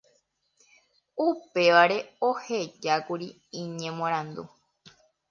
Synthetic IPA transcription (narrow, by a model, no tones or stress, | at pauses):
upe̞ʋaɾe̞ohe̞d͡ʒakuɾi | ĩɲẽmõɾ̃ãnd̪ṵ